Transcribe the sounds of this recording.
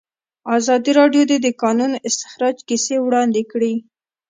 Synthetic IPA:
ɑzɑd̪iɾɑɖjod̪ed̪əkɑnunɪst̪ɪ̥xɾɑd͡ʒkisewɽɑnd̪ɪkɽi

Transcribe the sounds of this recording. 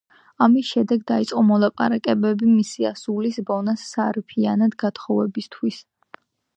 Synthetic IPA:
amisʃɛd̪ɛɡd̪ait̪sʼqʼɔmɔlˠapʼa̰ɾakʼɛbɛbimisiasulisbɔnasːaɾipʰianad̪ɡat̪χɔvɛbist̪ʰwis

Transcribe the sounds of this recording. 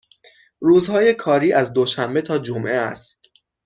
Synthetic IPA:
ruːzhɒːje̞kʰɒːɾiːʔæzd̪oʃæmbe̞t̪ʰɒːd͡ʒomʔeæ̰st̪

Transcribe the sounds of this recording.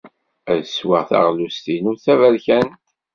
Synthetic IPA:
æðswaʁθɑ̰ʁlust̪inuɾθævælçænt̪

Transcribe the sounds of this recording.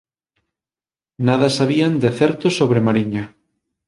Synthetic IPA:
nað̞asaβ̞iand̪eθɛɾt̪osoβɾemaɾiɲa

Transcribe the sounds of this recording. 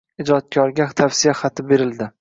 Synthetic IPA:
ɪd͡ʒɒt̪̚kʲʰɒɾɡʲat̪ʰafsɪjaχat̪ʰɪbe̞ɾɪld̪ɪ

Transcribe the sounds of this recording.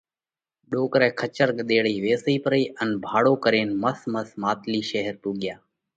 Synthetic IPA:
ɗoːkɾɛːkʰət͡ʃəɾɡɗ̪eːɽiːʋeːsiːpəɾiːʔənbʱaːɽoːkəɾeːnməsməsmaːt̪liːʃeɦəɾpuːɡjaː

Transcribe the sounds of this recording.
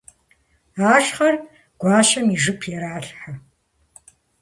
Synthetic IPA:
aːʃχɐr | ɡ̥ʷaːʃɐmiːʐɨpʰjɛɾaːɬħa

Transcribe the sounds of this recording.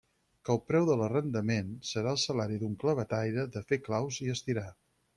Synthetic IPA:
kəlˠpɾɛwðələrənd̪əmensəɾaəlˠsəlaɾiðuŋkləβ̞ət̪ajɾəðəfeklawziəst̪iɾa

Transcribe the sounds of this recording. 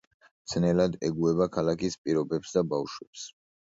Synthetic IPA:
t̪sʰnɛlad̪ɛɡuɛbakʰalakʰispʼiɾɔbɛpsd̪abafʃwɛps

